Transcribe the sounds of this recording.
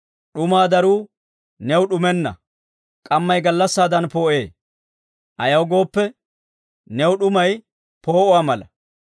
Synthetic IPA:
ɗʊmaːd̪ɐɾuː | nɛwɗʊmɛnːɐ̰ | kʼɐmːɐjɡɐlːɐsːaːd̪ɐnpo̞ːʔe̞ː | ʔɐjɐwɡo̞ːpːɛ | nɛwɗʊmɐj | po̞ːʔʊwaːmɐlɐ

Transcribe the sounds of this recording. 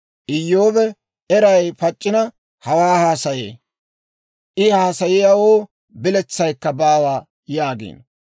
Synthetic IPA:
ʔɪjːoːbɛ | ɛɾɐjpɐt͡ʃʼːɪnɐ | hɐwaːhaːsɐjḛː | ʔɪhaːsɐjɪjɐwoː | bɪlɛt͡sːɐjkːɐbaːwaː | jaːɡḛːn

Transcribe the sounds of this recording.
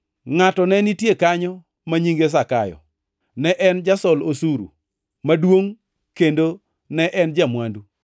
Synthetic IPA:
ŋatɔnɛnitjekaɲɔ | maɲiŋɡes̬akajɔ̰ | nɛʔɛnd͡ʒasɔlosuɾṵ | madwoŋ | kendo | nɛʔɛnd͡ʒamwandu

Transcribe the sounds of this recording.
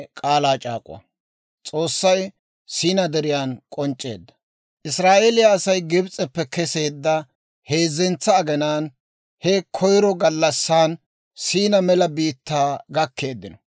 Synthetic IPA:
kʼaːlaːt͡ʃʼa̰ːkʼʊwɐ̰ | t͡sʼo̞ːsːɐj | siːnɐd̪ɛɾɪjaːnkʼɔnt͡ʃʼːe̞̰ːd̪ːɐ̥ | ʔɪsɾaːʔeːlɪjɐːsɐjɡɪbt͡sʼɛpːɛkɛse̞ːd̪ːɐ | he̞ːzːɛnt͡sːɐːɡɛnaːn | hɛkʰɔjɾɔɡɐlːɐsːaːn | siːnɐmɛlɐbiːt̪ːaːɡɐkːe̞ːd̪ːɪnɔ

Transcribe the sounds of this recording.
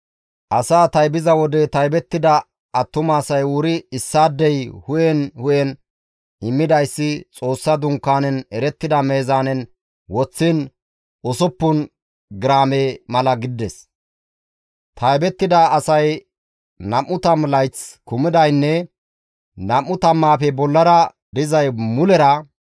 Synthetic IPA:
ʔɐsaːt̪ɐjbɪzɐwɔd̪ɛt̪ɐjbɛt̪ːɪd̪ɐ | ɐt̪ːʊmaːsɐjuːɾɪɪsːaːd̪ːɛjhʊjɛnhʊjɛn | ɪmːɪd̪ɐjsːɪt͡sʼo̞ːsːɐd̪ʊŋkːaːnɛnɛɾɛt̪ːɪd̪ɐme̞ːzaːnɛn | wɔt͡sːɪn | ɔsɔpːʊn | ɡɪɾaːmeːmɐlɐɡɪd̪ːɛs | t̪ʰɐjbɛt̪ːɪd̪aːsɐj | nɐmːʊt̪ɐmlɐjt͡skʊmɪd̪ɐjnːɛ | nɐmːʊt̪ɐmːaːpɛbɔlːɐɾɐ | d̪ɪzɐjmʊlɛɾɐ

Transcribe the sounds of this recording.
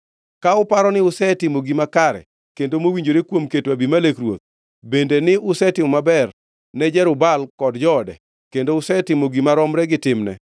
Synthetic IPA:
kaʊpaɾɔnɪʊsɛtɪmoɡimakaɾɛ̰ | kendomowiɲd͡ʒoɾekwomketwabimalekɾwo̰t̪̚ | bendenɪʊsɛtɪmɔmabɛr | nɛd͡ʒɛɾʊbalkɔdd͡ʒɔːdɛ | kendoʊsɛtɪmoɡimaɾɔmɾɛɡɪtɪmnɛ̰

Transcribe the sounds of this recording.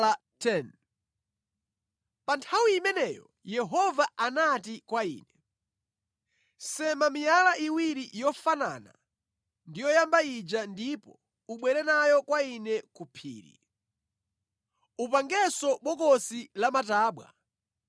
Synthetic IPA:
a | tʰɛn | pantʰawiːmɛnɛjɔ̰ | jɛɦɔvaanatikwaḭːnɛ | sɛmamijalaʔiwiɾijɔfana̰na | ndijɔjambaid͡ʒandipɔ | uɓwɛɾɛnajɔkwainɛkupʰḭːɾḭ | upaŋɡɛsɔɓɔkɔsilamataːɓwa̰

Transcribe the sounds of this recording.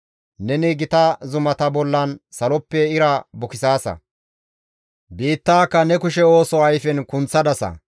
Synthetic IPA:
nɛnɪɡɪt̪ɐzʊmɐt̪ɐbɔlːɐnsɐlɔpːɛɪɾɐbʊkɪsaːsɐ̰ | biːt̪ːaːkːɐnɛkʊʃɛo̞ːsɔɐjfɛnkʊnt͡sːɐd̪ɐsɐ̰

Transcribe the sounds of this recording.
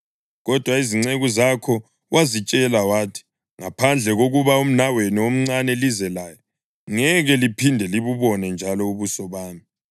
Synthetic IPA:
ɣɔd̥ʱwaiziŋ͡ǀeɣuzakʰɔ | wʔazit͡ʃʼɛlawaːtʰi̥ | ŋapʰand͡ɮʱɛɣoɣuβaum̩naweniwom̩ŋ͡ǀanɛlizɛlaːjɔ | ŋɛɣɛlipʰindʱɛliβuβɔnɛnd͡ʒʱalɔuβusɔβaːmi

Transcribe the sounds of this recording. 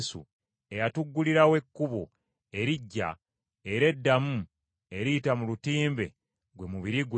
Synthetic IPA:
sṵ | e̞jatuɡːuliɾawe̞kːuβo̰ | e̞ɾiɟːa̰ | e̞ɾe̞dːamu | e̞ɾiːtamulutiːmbe̞̰ | ɡwemuβiɾiɡw

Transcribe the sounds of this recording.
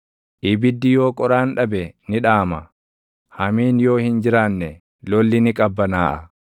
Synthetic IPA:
ʔɪbɪd̪ːɪjo̞ːkʼɔɾaːnᶑɐbɛnɪᶑaːmɐ | hɐmiːnjo̞ːhɪnd͡ʒɪɾaːnːɛ | lɔlːɪnɪkʼɐbːɐnaːʔɐ̰

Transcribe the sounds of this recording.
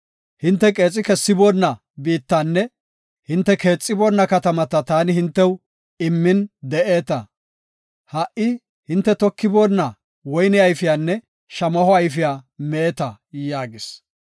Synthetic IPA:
hɪnt̪ːɛkʼe̞ːt͡sʼːɪkɛsːɪboːnːɐ | biːt̪ːanːɛ | hɪnt̪ːɛke̞ːt͡sʼːɪboːnːɐkɐt̪ɐmɐt̪ɐt̪aːnɪhɪnt̪ːɛw | ɪmːɪnd̪ɛʔe̞ːt̪ɐ | hɐʔɪ | hɪnt̪ːɛt̪ɔkːɪboːnːɐ | wɔjnɪɐjfɪjaːnːɛ | ʃɐmɐhɔɐjfɪjaːmɛɛt̪ɐ | jaːɡɪs

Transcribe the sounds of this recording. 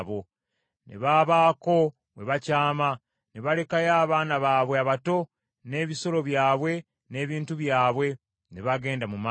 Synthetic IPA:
βo̞ | nḛβaːβaːko̞ | we̞βacaːma | neβale̞kajaːβaːnaβaːβweaβato̞ | ne̞ːβiso̞lo̞βjaːβwe̞ | ne̞ːβiːntuβjaːβwe̞ | neβaɡe̞ːndamuma

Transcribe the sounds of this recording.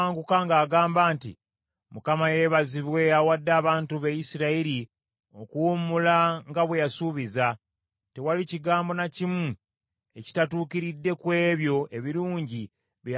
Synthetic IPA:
ŋɡukaŋɡaːɡaːmbaːntḭ | mukamaje̞βaziβwe̞awadːaːβaːntuβejisiɾaiɾi | o̞kuumulaŋɡaβwejasuβiza | te̞waliciɡaːmbo̞nacimu | e̞ci̥tatuːkiɾidːe̞kwe̞ːβjo̞e̞βiɾuːɲɟi | βj

